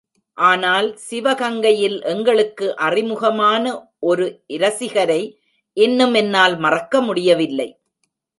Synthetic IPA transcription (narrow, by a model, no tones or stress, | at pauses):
ʔaːnaːlsɪʋɐɣɐŋɡɐjɪlʔɛŋɡɐɭɯkːɯʔɐrɪmɯɣɐmaːnɐʔɔɾɯʔɪɾɐsɪɣɐɾɐɪ | ʔɛnːɯmɛnːaːlmɐrɐkːɐmʊɽɪjɐʋɪlːɐɪ